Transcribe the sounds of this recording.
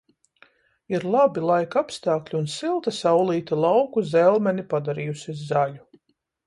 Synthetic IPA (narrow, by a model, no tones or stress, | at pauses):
iɾlˠabilˠajkapst̪aːklʲiunsilˠt̪asawlˠiːt̪ilˠawkuzɛlˠmɛnipad̪aɾijusizːalʲu